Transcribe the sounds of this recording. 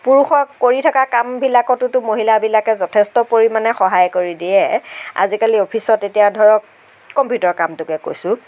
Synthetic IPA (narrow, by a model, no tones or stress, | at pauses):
puɹuxɔkoɹitʰakakambʱilakɔtʊtʊmoɦilabilakɛzɔtʰɛstɔpoɹimanɛxɔɦajkoɹidijɛa̰zikaliopʰisɔtetijadʱɔɹɔkː | ɔmpjutɔɹkamtʊkɛko̰jsʊ̃